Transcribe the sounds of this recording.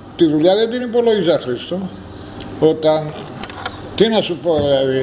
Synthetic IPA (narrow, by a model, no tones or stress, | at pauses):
t̪iðuʎɐðend̪inipo̞lojisɐxɾist̪o | ot̪ɐn | t̪inɐsupo̞ðilɐði